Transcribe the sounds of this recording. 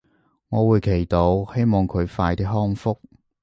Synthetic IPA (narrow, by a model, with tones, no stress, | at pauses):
ŋɔː˨˧wuː˨˧jkʰe˨˩jt̪o˨˧whe˥jmɔː˨˩ŋkʰɵ˨˧ɥfaː˧jt̪iː˥ɦɔː˥ŋfʊ˥k̚